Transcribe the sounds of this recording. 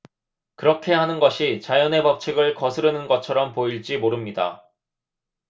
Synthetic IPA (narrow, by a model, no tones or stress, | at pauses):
kɯɾʌkʰe̞hanɯnɡʌɕʰit͡ɕajʌne̞pʌp̚t͡ɕʰiɡɯɭkʌsʰɯɾɯnɯnɡʌt͡ɕʰʌɾʌmpoiɭt͡ɕ͈imoɾɯmɲida̰